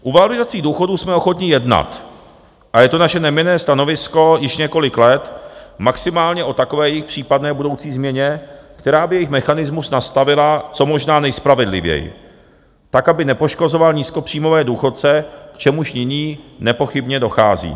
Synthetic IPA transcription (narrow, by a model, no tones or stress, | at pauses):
ʔuvalɪzat͡siːduːxo̞duːsmɛoxo̞t̪ɲɪjɛdna̰t̪ | ʔajɛt̪onaʃɛnɛmɪnɛːst̪ano̞vɪsko̞jɪʃɲɛko̞lɪklɛt̪maksɪmaːlɲɛʔo̞t̪ako̞vɛːjɛjɪxpr̝̥iːpadnɛːbudo̞wt͡siːzmɲɛɲɛkt̪ɛɾaːbɪjɛjɪxmɛxanɪzmusnast̪avɪlat͡so̞mo̞ʒnaːnɛjspɾavɛdlɪ̰vjɛ̰jɪ̰ | t̪akabɪnɛpoʃko̞zo̞valɲiːsko̞pr̝̥iːmo̞vɛːduːxo̞t̪̚t͡sɛkt͡ʃɛmuʃɲɪɲiːnɛpo̞xɪbɲɛdo̞xa̰ːzḭː